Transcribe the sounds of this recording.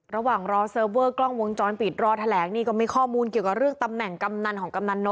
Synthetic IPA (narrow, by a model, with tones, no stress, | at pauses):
ɾa˧waː˨˩ŋɾɔː˧sɤː˧wɤː˥˩klɔ˥˩ŋwo˧ŋt͡ɕɔː˧npiː˨˩t̪̚ɾɔː˧t̪ʰa˧lɛː˩˦ŋniː˥˩kɔː˥˩mi˧kʰɔː˥˩muː˧nki˨˩əwka˨˩ɾɯ˥˩əŋt̪a˧mnɛ˨˩ŋka˧mna˧nkʰɔː˩˦ŋka˧mna˧nːo˧˦˥